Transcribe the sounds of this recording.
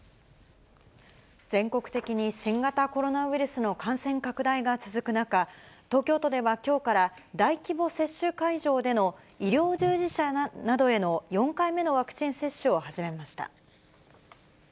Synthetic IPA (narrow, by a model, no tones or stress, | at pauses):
d͡zẽ̞ŋko̞kɯ̟̥t̪e̞kʲiɲ̟iɕĩŋɡat̪ako̞ɾo̞naβiɾɯ̟sɨno̞kãɰ̃sẽ̞ŋkakɯ̟d̪aiɡat͡sɨzɨkɯ̟nakat̪o̞ːkʲo̞ːt̪o̞d̪e̞βakʲo̞ːkaɾad̪aikʲibo̞se̞ɕːɨkaiʑo̞ːd̪e̞no̞ | iɾʲjo̞ːʑɨːʑiɕanad̪o̞e̞no̞jõ̞ŋkaime̞no̞β̞akɯ̥t͡ɕĩɰ̃se̞ɕːɨo̞haʑime̞maɕi̥t̪a̰